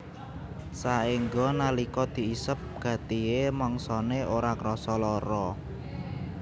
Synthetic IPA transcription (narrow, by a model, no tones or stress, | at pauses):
saiŋɡɔnalikɔd̪̥i̤isəp̚ɡ̥ä̤t̪ijemɔŋsɔneʔoɾakɾɔsɔlɔɾɔ